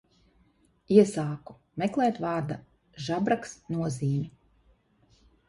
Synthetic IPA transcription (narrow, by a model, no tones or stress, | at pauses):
iɛsaːku̥ | mɛklˠɛːt̪vɑːɾd̪a | ʒabɾaksnuɔziːɲʲu